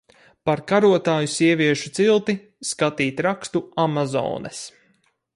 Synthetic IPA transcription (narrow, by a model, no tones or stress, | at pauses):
paɾkaɾuɔt̪aːjusiɛvʲiɛʃut̪silˠt̪i | skat̪iːt̪ʲɾakst̪uamazɔ̰ːnʔɛ̰s